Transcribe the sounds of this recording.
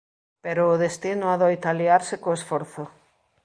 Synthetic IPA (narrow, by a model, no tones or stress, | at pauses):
peɾoːðest̪inoaðojt̪aliaɾsekoesfɔɾθo